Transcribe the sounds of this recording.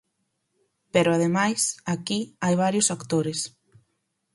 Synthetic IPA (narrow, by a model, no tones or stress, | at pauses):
peɾʊaðemajsakiajβ̞aɾjʊsakt̪oɾɪs